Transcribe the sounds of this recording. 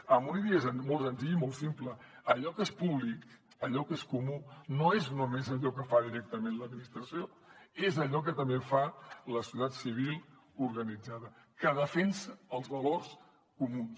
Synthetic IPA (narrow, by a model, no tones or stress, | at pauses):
əmbuniðiezənmolˠzənt̪iimolˠsimplə | əʎɔkespuβlik | əʎɔkeskumunoeznumezəʎɔkəfaðiɾɛk̚t̪əmenləd̪̚minist̪ɾəsio | ezəʎɔk̬ət̪əmbefaləsiut̪at̪siβ̞ilˠ | uɾɣənid͡zaðə | kəðəfensəəlˠzβəlors | kumuns